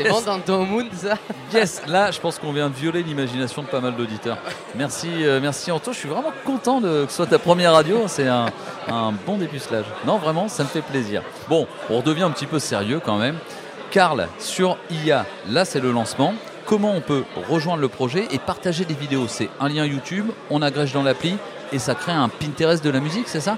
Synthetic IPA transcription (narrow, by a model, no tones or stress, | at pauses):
d̪ɑ̃t̪ɑ̃munsajɛslaʒəpɑ̃skɔ̃vjɛ̃d̪əvjɔlelimaʒinasjɔ̃d̪əpamald̪od̪it̪œʁ | mɛʁsiømɛʁsiɑ̃t̪uʃəʃɥivʁɛmɑ̃kɔ̃t̪ɑ̃d̪əkə̥swat̪apχəmjɛʁːad̪joɛ̃sɛɛ̃ | ɛ̃bɔ̃d̪epyslaʒnɔ̃vʁɛmɑ̃saməfɛplezḭːʁ | bɔ̃ɔ̰̃ʁəd̪əvjɛ̃ɛ̃pət̪ipøseʁjøkɑ̃mɛm | kaʁlsyʁija | lasɛləlɑ̃smɑ̃ | kɔmɑ̃ɔ̃pøʁəʒwɛ̃d̪ʁləpχɔʒɛʔepaʁt̪aʒed̪evid̪eosɛɛ̃ljɛ̃jut̪ybɔ̃naɡʁɛʒd̪ɑ̃lapli | esakχeɛ̃pint̪eʁɛs̬d̪əlamyziksɛsa